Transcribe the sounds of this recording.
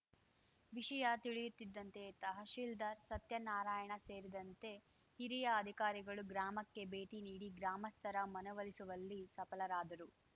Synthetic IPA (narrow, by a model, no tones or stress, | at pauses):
ʋiʂɐjɐt̪iɭijut̪ːid̪ːɐnt̪e̞t̪ɐɦɐʃiːld̪ɐɾsɐt̪jɐnaːɾaːjɐɳɐse̞ːɾid̪ɐnt̪e̞ | hiɾijɐːd̪ʱikaːɾiɡɐɭuɡɾaːmɐkːe̞be̞ːʈiniːɽiɡɾaːmɐst̪ʰɐɾɐmɐnɐʋɐlisuʋɐlːisɐpɐlɐɾaːd̪ɐɾu